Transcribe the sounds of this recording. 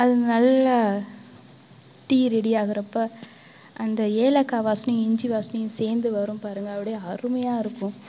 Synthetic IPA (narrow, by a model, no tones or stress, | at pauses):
ɐðɯnɐlːɐ | ʈiːɾɛɽɪjaːɣɪɾɐpːɐ | ʔɐnd̪ɐeːlɐkːaːʋaːsɐnɪj̃ɪɲd͡ʒiʋaːsɐnɪjɯ̃seːɾnd̪ɯʋɐɾɯ̃mpaːɾɯŋɡɐːʋɪɽeɐɾɯmɐjaːɪɾɯkːʊ̃